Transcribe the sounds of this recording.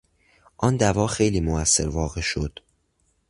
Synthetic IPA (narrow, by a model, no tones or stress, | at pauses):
ʔɒːnd̪ævɒːxe̞jliːmoæsːe̞ɾvɒːɣe̞ʃo̞d̪̥